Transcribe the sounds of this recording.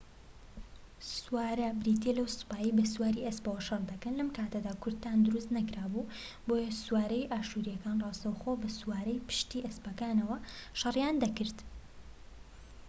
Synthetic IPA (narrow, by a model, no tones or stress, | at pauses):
suwaːɾɐbɾiːt̪ʰelɐwspaːjiːbɐswaːɾiʔespɐwɐʃɐrˤd̪ɐkɐnlɐmkʰaːt̪ɐd̪aːkʰʊɾd̪̚t̪ːaːnd̪ʊɾust̪nɐkɾaːbu | bojɐsuwaːɾɐjʔaːʃuːɾijɐkaːnrɑːst̪ɐwxobɐswaːɾɐjpɨ̥ʃt̪iːʔɐspɐkaːnɐwɐʃɐrjaːnd̪ɐkɨɾt̪